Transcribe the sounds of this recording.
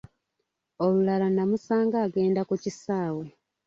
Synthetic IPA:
olulalanamusaːŋɡaːɡe̞ːndakucisaːwe

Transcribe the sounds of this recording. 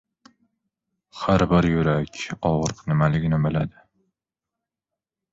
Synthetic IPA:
haɾbɪɾjʊɾakʲɒʁɨɾqʰnɪmalɪɡʲɪnɪbɪlad̪ɪ

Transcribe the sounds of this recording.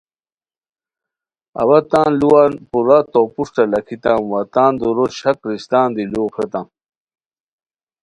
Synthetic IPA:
ɐ̰wɐt̪aːnluwaːnpuɾat̪opuʂʈɐlɐkʰit̪amwɐt̪aːnd̪uɾoɕɐkɾist̪ãːnd̪iluːxet̪ãm

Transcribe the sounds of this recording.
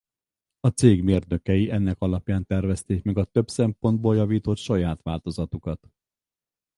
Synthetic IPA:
ɒt̪seːɡmeːrd̪nø̞kɛjiʔɛnːɛkɒlɒpjaːnt̪ɛrvɛst̪eːkmɛɡɒt̪ø̞bsɛmpo̞nd̪̚boːljɒviːt̪o̞t̪ʃɒjaːt̪ʋaːlt̪o̞zɒt̪ukɒt̪

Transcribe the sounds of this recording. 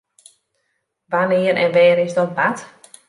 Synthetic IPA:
ʋanɪəɾɛ̰nʋɛːɾɪsdɔnpat

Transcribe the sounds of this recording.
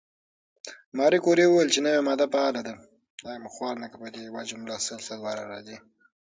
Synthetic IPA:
mɑɾikoɾewuwjlt͡ʃenawemɑd̪apaɑlad̪a | ɑjamuxwɑːɾnakapad̪ewad͡ʒamlɑsəlsalwɑɾa̰ɾɑ̰zi

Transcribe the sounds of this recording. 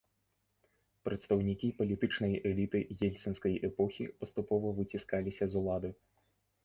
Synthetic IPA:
pɾɐt̪st̪ɐwnʲikʲipɐlʲit̪ɨt͡ʂnɐjɛlʲit̪ɨjɛlʲt̪sɐnskɐjʔɛpɔxʲipɐst̪upɔvɐvɨt͡sʲiskalʲisʲɐzulˠad̪ɨ

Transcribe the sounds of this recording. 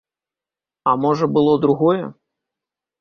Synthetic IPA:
ɐmɔʐɐbɨlˠɔd̪ɾuɣɔjɛ̰

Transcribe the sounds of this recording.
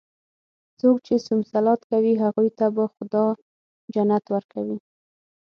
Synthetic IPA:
t͡sokt͡ʃesʊmsalɑt̪kawiɦaɣujt̪abaxʊd̪ɑ | d͡ʒanat̪wəɾkawi

